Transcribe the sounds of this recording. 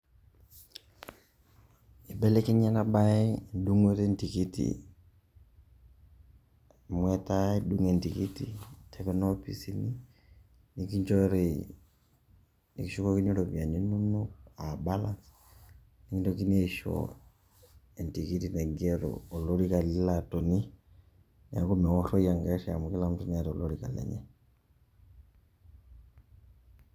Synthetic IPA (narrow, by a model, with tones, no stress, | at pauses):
i˨bɛ˦lɛ˦ki˦ɲɛ˦na˦ɓaɛ˦du˦ŋwɛ˦ɾɛntiki˦tḭ | mwɛtaɛduŋɛ˨nti˨ki˦titʰɛkɛnɔ˦pi˦si˦ni | ni˨ki˦ɲd͡ʒɔ˦ɾɛ˨ | ni˨kiʃukɔki˦nɔɾɔ˨via˨ni˦nu˦nɔa˨balans | ni˦ki˦ndɔki˦nɛ˦ʃɔ̰ | ɛntikitinɛ˨ɡɛɾɔ̰˨ɔ˨lɔɾika˨lilatɔ˨ni | na˦ku˦nɛ˨ɔ˦ɬɔ˦ja˨ŋɡaʃia̰˨muki˦lam̩utu˦niatɛɔlɔɾika̰˨lɛ̰ɲɛ˦